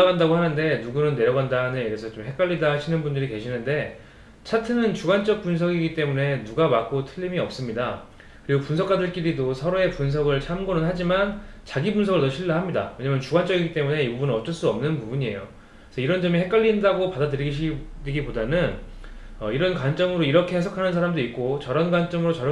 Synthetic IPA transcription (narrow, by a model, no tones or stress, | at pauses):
aɡandaɡohanɯnde̞nuɡunɯnːe̞ɾjʌɡandaneiɾesʰʌt͡ɕomɦe̞k͈aʎːidaɕʰinɯnbundɯɾike̞ɕʰinɯnde̞ | t͡ɕʰatʰɯnɯnt͡ɕuɡant͡ɕ͈ʌk̚p͈unsʰʌɡiɡit͈e̞mune̞nuɡamak͈otʰɯʎːimiʌp̚s͈ɯmɲida | kɯɾiɡopunsʰʌk͈adɯɭk͈iɾidosʰʌɾoe̞punsʰʌɡɯɭt͡ɕʰamɡonɯnɦad͡ʑimant͡ɕaɡibunsʰʌɡɯɭtʌɕʰiɭːaɦamɲida̰we̞ɲamjʌnt͡ɕuɡant͡ɕ͈ʌɡiɡit͈e̞mune̞ibubunɯnʌt͡ɕ͈ʌɭs͈uʌmnɯnpubuɲie̞̰jo | sʰʌiɾʌnd͡ʑʌmihe̞k͈aʎːindaɡopadadɯɾiɡiɕ̬ʰiiɡipodanɯnʌiɾʌnkwant͡ɕ͈ʌŋɯɾoiɾʌkʰe̞he̞s̬ʰʌkʰanɯnsʰaɾamdoitk̚k͈ot͡ɕʌɾʌnɡwant͡ɕ͈ʌŋɯɾot͡ɕʌɾ